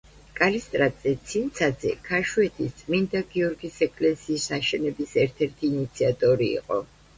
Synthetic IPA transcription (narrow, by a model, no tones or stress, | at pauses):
kʼalist̪ʼɾat̪ʼsʼɛt̪sʰint̪sʰad̪zɛ̰kʰaʃuɛt̪ʰist̪sʼmind̪aɡiɔɾɡisɛkʼlɛsiːsaʃɛnɛbisɛɾt̪ʰɛɾt̪ʰiːnit̪sʰiat̪ʼɔɾḭːqʼɔ̰